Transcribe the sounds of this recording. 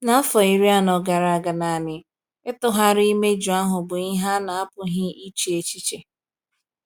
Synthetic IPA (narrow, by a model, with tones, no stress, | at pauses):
na˨a˦fɔ˨i˨ɾi˦a˦nɔ˨ɡa˨ɾa˨a˨ɡa˨na˨nɪ˨ | ɪ˦tʊ˦ɦa˦ɾi˦me˦d͡ʒu˨a˦ɦʊ˨bʊ˨i˦ɦa˦na˨a˦pʊ˨ɦɪ˦i˦t͡ʃi˨e˨t͡ʃi˦t͡ʃe˨